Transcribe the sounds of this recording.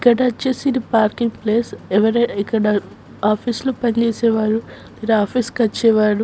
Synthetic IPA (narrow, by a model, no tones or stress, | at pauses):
ikːɐɽɐt͡ʃːeːsid̪ipaːɾkiŋɡpleːsɛʋɐɾɐikːɐɽɐ | aːpʰislupɐnt͡ʃeːsɛːʋaːɾu | iɾaːpʰiːskɐt͡ʃːɛːʋaːɾu